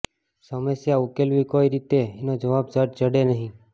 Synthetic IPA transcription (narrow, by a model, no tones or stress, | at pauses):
səməsjaukelʋikoiɾit̪eːnod͡ʒəʋabd͡ʒəʈ̚d͡ʒəɽenəɦĩ